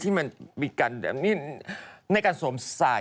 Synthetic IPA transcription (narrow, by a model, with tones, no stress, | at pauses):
t̪ʰiː˥˩ma˧nmiː˧kaː˧nbɛ̰˨˩niː˥˩na˧jkaː˧nsoː˨˩˦msa̰ː˨˩